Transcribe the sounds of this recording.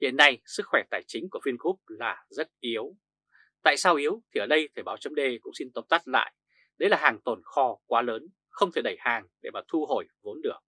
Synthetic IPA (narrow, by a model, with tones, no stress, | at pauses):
hḭ˧˨ənːa˧jsɨ˦˥k̚xwɛ˧˩t̪aː˧˩jt͡ɕï̟˨˦ku˧˩əfi˧nku˦˥p̚laː˨˩zə˦˥t̚ʔi˨˦əw | t̪a̰ː˧˨jsaː˧wʔi˨˦əwt̪ʰi˨˩əː˩ɗə˧jt̪ʰəː˧˩ɓaː˨˦wt͡ɕə˨˦ŋ͡mɗe˧kʊ̰˧˥ŋ͡msi˧nt̪o˨˦p̚t̪a˦˥t̚la̰ː˧˨jʔ | ɗə˨˦jlaː˨˩ɦaː˨˩ŋt̪o˨˩nxɔ˧kwaː˨˦ləː˨˦n | xə˧wŋ͡mt̪ʰe˨˧˩ɗə˧˩jhaː˨˩ŋɗe˧˩maː˨˩t̪ʰu˧ɦo˧˩jvo˨˦nɗɨ˨˩ək̚